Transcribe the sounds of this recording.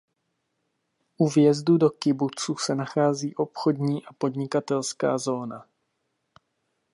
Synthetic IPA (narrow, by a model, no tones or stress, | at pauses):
ʔuvjɛzdudo̞kɪbut͡susɛnaxaːziːʔo̞pxo̞dɲiːʔapo̞dɲɪkat̪ɛlska̰ːzo̞ːna